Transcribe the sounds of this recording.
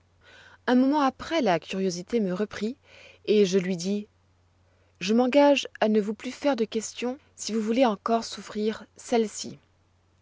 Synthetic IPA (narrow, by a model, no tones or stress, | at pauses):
ɛ̃mɔmɑ̃apχɛlakʲʰyʁjozit̪eməʁəpχi | eʒəlɥid̪i | ʒəmɑ̃ɡaʒanəvuplyfɛʁd̪əkʲɛst̪jɔ̃ | sivuvuleɑ̃kɔʁsufχiʁsɛlsḭ